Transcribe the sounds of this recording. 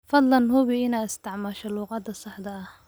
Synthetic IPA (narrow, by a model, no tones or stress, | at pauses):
fɑd̪ˤlɑnhʊβɪɪnaːɪst̪ɪʕmɑʃɛluːqɑːd̪ɐsɑħd̪ɐːh